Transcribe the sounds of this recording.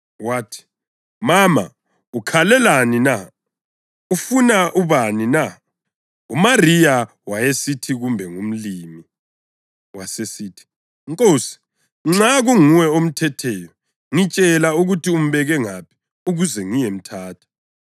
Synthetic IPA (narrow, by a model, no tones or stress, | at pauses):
waːtʰi̥ | mama̰ | ukʰalɛlanina | ufunaʔuβanina | umarija | wajesitʰiɣumbʱɛŋum̩liːmi | wasesiːtʰi̥ | ŋkʼoːsi̥ | ŋ͡ǁaɣuŋuwɛom̩tʰɛtʰɛjɔ | ŋit͡ʃʼɛlauɣutʰium̩βɛɣɛŋapʰi̥ | uɣuzɛŋijem̩tʰaːtʰḁ